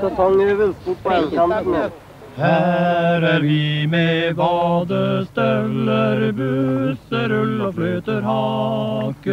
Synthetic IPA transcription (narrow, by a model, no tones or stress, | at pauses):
ɑt̪ʰɔŋːeʋɪlspuʈ̚pʰɔɛnkʰɑnt̪n̩e | hæːɾæɾʋɪmɛʋɑːd̪əst̪ɛlːəɾbʉsəɾʉloflyːt̪əɾɦɑːkə